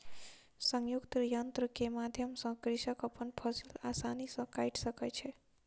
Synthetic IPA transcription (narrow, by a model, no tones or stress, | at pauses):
səŋjukt̪jənt̪ɾəkemad̪ʱjəmsə̃kɾiʃəkəpənpʰəsilasanisə̃kajʈʰsəkɛt͡ʃʰɛ